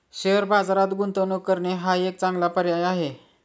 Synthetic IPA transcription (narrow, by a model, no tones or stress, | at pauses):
ɕeəɾbad͡zaɾat̪ɡunt̪ənokːəɾɳeɦaek̚t͡sãŋɡlapəɾjajaɦe